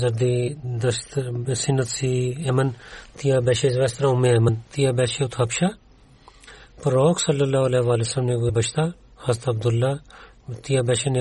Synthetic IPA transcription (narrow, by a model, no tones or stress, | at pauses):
zɐɾd̪iːd̪ɐst̪sɪnːət̪siːɛmənt̪ijaːbɛːʃeːzʋɛst̪ɾaʊmːẽːɛmənt̪ijaːbɛːʃeːʊt̪ʰɐpʃaː | pɾoːksɐlːəlːaːɐlɛːʋaːlesəmneɡebət͡ʃʰt̪aː | hɐzt̪ɐb̚d̪ʊlːaː | t̪ijaːbɛːʃene